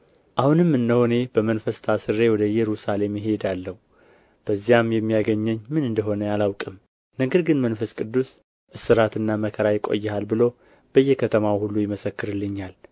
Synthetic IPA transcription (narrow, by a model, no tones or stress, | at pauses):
ʔahunɨmːɨnːəhone̞b̥əmənfəst̪ʰasɨɾːe̞wɔd̪əjɛɾusale̞mjɪɦe̞d̪alːəhu | b̥əzːijamjɛmːijaɡəɲːɛɲːmɨnɨnd̪əɦo̞nəjalawkʼɨm | nəɡəɾɡɨnmənfəskʼɨd̪ːus | ʔɨsːɨɾat̪ɨnːaməkʰəɾajɪkʼo̰jːɛhalbɨlo̞ | b̥əjːɛkʰət̪ʰəmawhulːujɪməsəkːɨɾɨlːɨɲːal